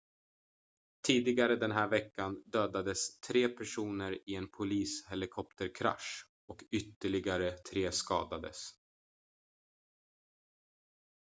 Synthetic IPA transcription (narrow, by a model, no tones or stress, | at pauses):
t̪ʰiːd̪ɪɡaɾəd̪ɛnɦæːɾvɛkːand̪øːd̪ad̪əst̪ʰɾeːpʰæʂuːnəɾɪɛnpʰʊliːshɛlɪkʰɔp̚t̪əɾkʰɾa̰ʂ | ɔkʏt̪ːəɭɪɡaɾət̪ʰɾeːskɑːd̪ad̪ə̰s